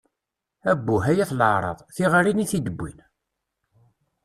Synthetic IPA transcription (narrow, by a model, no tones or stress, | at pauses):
æbːuɦæjæθləʕɾˤɑ̰ðˤθiʁəɾiniθid̪əbːḭn